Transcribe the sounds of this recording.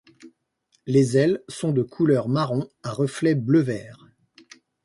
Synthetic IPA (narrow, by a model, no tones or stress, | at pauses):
lezɛlsɔ̃d̪əkʰulœʁmaʁɔ̃aʁəflɛbləvɛːʁ